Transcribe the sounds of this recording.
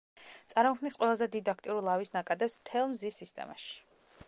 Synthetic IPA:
t̪sʼaɾmɔkʰnisqʼwɛlˠazɛd̪id̪ak̚ʰt̪ʼiuɾilˠavisnakʼad̪ɛpsmt̪ʰɛlˠmzisːist̪ʼɛ̰ma̰ʃi̥

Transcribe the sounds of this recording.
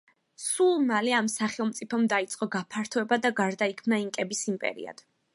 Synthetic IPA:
sulˠmalɛamsaχɛlˠmt̪sʼipʰɔmd̪ait̪sʼqʼɔɡapʰaɾt̪ʰɔɛbad̪aɡaɾd̪aikʰmnaiŋkʼɛbisimpʼɛ̰ɾḭa̰d̪̥

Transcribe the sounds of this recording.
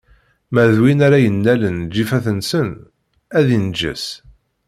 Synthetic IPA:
mæðwinaɾæjənːælənd͡ʒifæθənsən | æðind͡ʒə̰s

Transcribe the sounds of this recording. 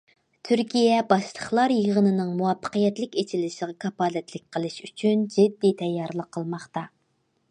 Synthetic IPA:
t̪ʰyɾkʲijɛbɑʃlˠəχlˠɑɾjəʁənɨnɨŋmuwɑpʰːə̥qəjɛt̪lɪkʲet͡ʃʰilɪʃəʁɑkʰɑpɑːlɛt̪lɪk̚ʲqʰəlˠɨʃyt͡ʃʰynd͡ʒɪd̪ːit̪ʰɛjːɑɾlˠəqʰːəlˠmɑχt̪ɑ

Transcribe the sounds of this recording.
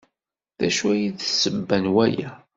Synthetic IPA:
ðæʃuæjiðsəbːænwæjæ

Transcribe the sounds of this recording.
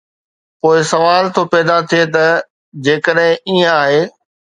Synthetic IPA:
poːɪsɐʋaːlt̪ʰopɛːd̪at̪ʰijet̪ɐ | d͡ʑeːkəɗɦɪ̃iːə̃aːɦeː

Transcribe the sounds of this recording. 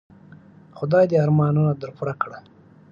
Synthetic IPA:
xʊd̪ɑjd̪eaɾmɑnunad̪əɾpuɾakɽa

